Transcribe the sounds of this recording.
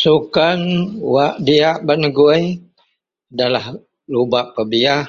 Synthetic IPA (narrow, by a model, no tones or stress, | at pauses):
sukanwaʔdiaʔbənəɡuj | dalah | lubaʔpəbia